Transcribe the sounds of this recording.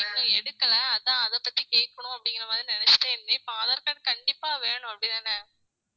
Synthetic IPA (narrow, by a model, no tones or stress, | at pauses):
ɛnːʊ̃ɛɽɯkːɐlɐːðãːɐðɐpːɐt̪ːikeːʈ̚kːɐɳʊ̃ɐpːɐɽɪŋɡɐɾɐmaːd̪ɾinɪnɛt͡ʃːʈeːɛnːɐɪpːõɐðɐɾkɐnːɯkɐɳɖɪpːaːʋeːɳʊ̃ɐpːɐɽiðaːnɐ